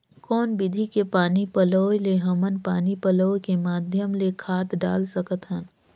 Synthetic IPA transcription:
kɔːnbɪd̪ʱikepaːnipəloːjleɦɐmənpaːnipəloːkemaːd̪ʱjəmlekʰaːt̪ɖa̰ːlsəkət̪ɦən

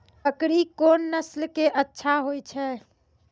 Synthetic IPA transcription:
əkɾikonːəslkeʔətːʃʰaɦojt͡ʃʰɛ

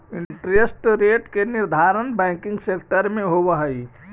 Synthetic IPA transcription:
iɳʈɾesʈɾeʈkeniɾd̪ʱaɾənbɛ̃kĩŋɡsekʈəɾmẽɦoβəɦəj

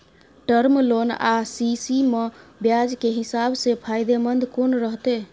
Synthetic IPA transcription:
ʈəɾmlona̰sisimebjad͡ʒkeɦisabsepʰajd̪emənd̪konɾəɦt̪e

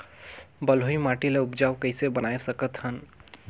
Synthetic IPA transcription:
bəlɦoimaʈileupd͡ʒawkəɪsebənajsəkət̪ɦən

